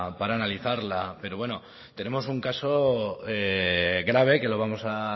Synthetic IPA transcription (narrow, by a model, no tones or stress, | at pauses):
paɾaːnaliθaɾlape̞ɾo̞βwe̞no | t̪e̞ne̞mo̞suŋkaso̞eɣɾaβ̞e̞ke̞lo̞β̞amo̞sa